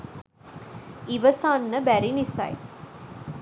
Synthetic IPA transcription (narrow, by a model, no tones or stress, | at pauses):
iʋəsaːnːəbæɾinisɐ̰j